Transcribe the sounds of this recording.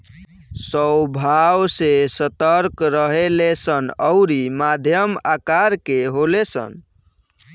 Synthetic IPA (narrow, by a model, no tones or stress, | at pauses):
səwbʱawsesət̪əɾkɾəɦelesənəʊɾimad̪ʱjəmakaɾkeɦolesə̰n